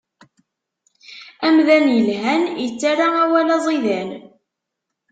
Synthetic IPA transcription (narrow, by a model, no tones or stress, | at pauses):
æmðænjəlɦænjət͡sːaɾaæwælæzˤiðæn